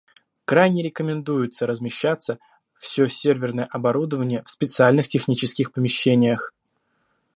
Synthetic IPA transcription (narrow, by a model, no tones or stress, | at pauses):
kɾajnʲɪɾʲɪkəmʲɪnd̪ujʊt̪səɾəzmʲɪɕːat̪sːə | fsʲɵsʲervʲɪrnəjəʔɐbɐɾud̪əvənʲɪjəfspʲɪt̪sɨalʲnɨxtʲɪxnʲit͡ɕɪskʲɪxpəmʲɪɕːenʲɪjəx